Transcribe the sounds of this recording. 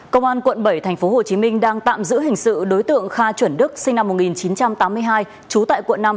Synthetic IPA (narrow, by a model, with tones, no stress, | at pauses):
kə˧wŋ͡mʔaː˧nkwə̰˧˨nɓə˧˩jt̪ʰɛ˨˩jŋ̟fo˨˦ɦo˨˩t͡ɕi˨˦mï˧ŋ̟ɗaː˧ŋt̪a̰ː˧˨mzɨ̰˧˥ɦï˨˩ŋ̟sɨ̰˧˨ɗo˨˦jt̪ɨ̰˧˨əŋxaː˧t͡ɕwə˧˩nɗɨ˦˥k̚sï˧ŋna˧mːo˨˩ŋi˨˩nt͡ɕi˨˦nt͡ɕa˧mt̪aː˨˦mːɨ˧əjɦaː˧j | t͡ɕu˨˦t̪a̰ː˧˨jkwə̰˧˨nːa˧m